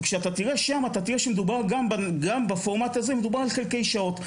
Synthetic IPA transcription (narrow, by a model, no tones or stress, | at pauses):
kʃeatatiʁeʃamat̪at̪iʁeʃemed̪ubaʁɡambaɡambafomat̪hazeme̞d̪ubaʁalχe̞lke̞jʃao̞t̪